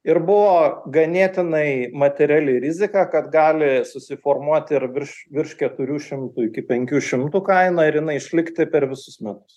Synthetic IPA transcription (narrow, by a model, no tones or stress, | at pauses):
ɪɾbʊʋoːɡɐnʲeːt̪ʲɪnɐɪmɐt̪ʲɛɾʲæːlʲɪɾʲɪzʲɪkɑkɐt̪ɡɑːlʲɪsʊsʲɪfoːrmuɔt̪ʲɪɾʋʲɪɾʃʋʲɪɾʃkʲɛt̪ʊɾʲuːʃʲɪmt̪uːɪkʲɪpʲɛŋʲkʲuːʃʲɪmt̪uːkɐɪnɐɪɾjɪnɐɪɪʃʲlʲɪkt̪ʲɪpʲɛɾʋʲɪsʊsmʲæt̪ʊs